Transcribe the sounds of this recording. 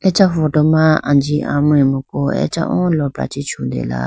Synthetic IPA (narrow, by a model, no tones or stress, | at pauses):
ɛt͡ʃaffɔdɔmaad͡ʒiʔamʊ̃emukoɛ̰t͡ʃa̰ʔɔ̰lɔpɾa̰t͡ʃit͡ʃudḛla̰